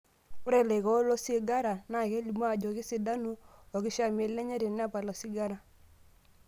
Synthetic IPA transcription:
u˦ɾɛ˦˨lɛ˨ɣɔ˦lɔ˦si˦ɡa˦ɾa˨na˨kɛ˦li˨m˦a˦˨d͡ʒɔ˨kɪ˦si˨da˦nu˦ɔ˨ɣi˦ʃa˦me˨lɛ˦ɲa˦ɾi˨n˦a˦pa˨lɔ˨si˦ɡa˦ɾa˦

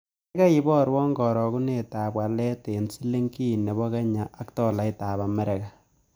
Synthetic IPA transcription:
ka˦i˨bɔ˦ɾwɔ˦ŋɡɔ˨ɾɔ˨ku˦ne˨taː˨pwa˨lɛ˦te˨nsi˦le˦ŋki˦˨ne˨bɔ˦ka˦ɲa˨a˦ktɔ˨la˨˦ta˨ba˨mɛ˦ɾe˨ka˨

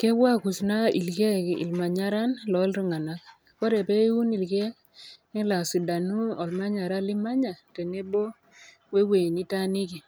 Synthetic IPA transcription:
ke˦wa˦ku˨sna˦ḭ˨lke˦kḭ˨lma˨ɲa˦ɾa˦nlɔ˨˦lɾi˦ŋa˨na˦k̚ | kɔ˦ɾe˨pe˦u˦ni˨lke˦ | ɪ˦la˨si˨da˨nu˦ɔ˨lma˦ɲa˨ɾa˦li˦ma˦ɲa˨te˨ne˦bo˦ | we˦we˨ni˦ta˦ni˦ki˨

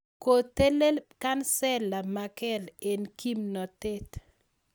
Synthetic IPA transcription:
ko˨te˦le˦lka˦nsɛ˦la˨ma˨kɛ˦le˨nki˦mnɔ˨te˦t

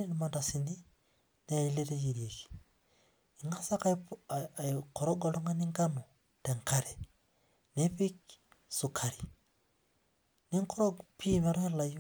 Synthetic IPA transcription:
i˦ni˨manda˨sindi˦ | ne˨i˦le˦ɾe˦jiɾje˨ki̥ | i˨ŋɡa˦sa˦ka˨ | kɔɾɔ˦ɡɔ˨lɔ˦ŋɡa˦niŋɡa˦nɔ˨ | tɛ˨ŋka˦ɾɛ | ne˦pi˦k | su˨kʰa˨ɾi | ni˦ŋkɔ˦ɾɔpi˦ma˨ɾu˦hɛ˦la˨˦

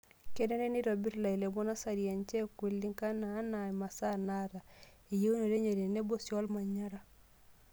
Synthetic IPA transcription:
ke˦nɛ˦ne˦ni˦ɾo˨bi˦ɾla˨i˨le˨bɔ˦na˦sa˨ɾi˨a˨nt͡ʃɛ˦kwi˨lːi˦ŋka˦naː˨˦na˨ma˨sa˦na˦ɾa˨ | i˨je˦u˦no˨ɾe˦ɲe˨ɾe˨ne˦bo˦sjɔ˦lma˨ɲa˦ɾa˨

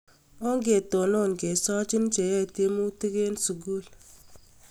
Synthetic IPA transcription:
o˦ŋ˦ɡe˨to˨no˦˨ŋɡe˨sɔ˦t͡ʃi˦n˦t͡ʃe˨je˦˨te˦mu˦ti˦ke˦n˦su˨ɡu˦˨l

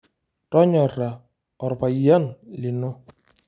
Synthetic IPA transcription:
ɾɔ˦ɲɔ˨ɾa˨ | ɔ˨ɾʊ˨pa˨ja˦n˨lɪ˨nʊ˦

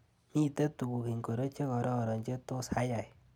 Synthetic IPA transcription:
mi˦˨te˦tu˨ku˨ki˨ŋko˨ɾo˦t͡ʃe˦kɔ˨ɾɔ˦˨ɾɔ˨ɲd͡ʒe˦to˦sha˦ja˨j

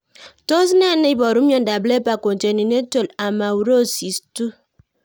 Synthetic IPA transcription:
to˦s̬ne˦˨ne˦i˦bɔ˨ɾu˦jo˨n̩˨da˨ble˦pa˨ko˨n̩˨te˨ni˨n˦e˦to˨la˨ma˨wu˨ɾo˦˨si˨stu˦

